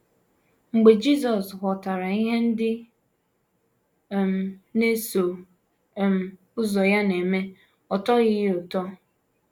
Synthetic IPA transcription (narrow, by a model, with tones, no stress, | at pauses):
ŋ͡m̩˨ɡ͡be˨d͡ʒi˦s̬ɔ˨sɦʷɔ˨ta˨ɾa˨i˦ɦe˦n̩˦dɪ˦˨ | m̩˨ne˦so˨ | m̩˨ | ʊ˦zɔ˨ja˦ne˨me˦ | ɔ˨tɔ˦ɣɪ˦jʊ˨tɔ˦